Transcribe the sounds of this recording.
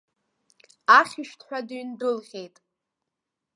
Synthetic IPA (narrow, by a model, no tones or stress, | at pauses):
aχʲiʃᶣtʰħʷᶣaduɥndɨlʁʲe̞jtʼ